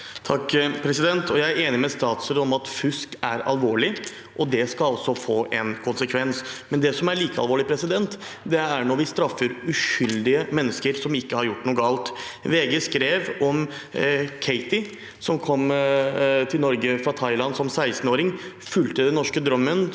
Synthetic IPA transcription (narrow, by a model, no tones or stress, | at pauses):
t̪ʰɑkːpʰɾɛsɪd̪ɛnt̪ʰɔjæɪæɾeːnɪmɛst̪ɑːt̪ʉ̥səd̪ɔmɑt̪fʉskæɾɑ̰lʋoːɭɪ | ʔɔd̪ɛskɑɑlsɔfoːʔɛnkʰʊnsəkʰʋɛnsmɛnd̪ɛsɔmæɭiːkəɑlʋoːɭɪpʰɾɛsɪd̪ɛnt̪ | d̪ɛæɳoːʋɪst̪ɾɑfːəɾʉʂʏld̪ɪəmɛnːəskəɾsɔmɪkːəhɑɾjʊʈːnuːɡɑːlt̪ʋeːɡəskɾeːʋɔm | kʰɛɪt̪ɪ | sɔmkʰɔmː | t̪ʰɪlnɔɾɡəfɾɑt̪ʰɑɪlɑnsɔmsæɪst̪n̩oːɾɪŋ | fʉlt̪əd̪ɛnːɔʂkəd̪ɾœmːən